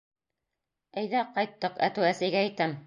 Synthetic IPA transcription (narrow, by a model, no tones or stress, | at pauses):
æjðæqɑjt̪ːɤqæt̪ʉwæsæjɡææjt̪æm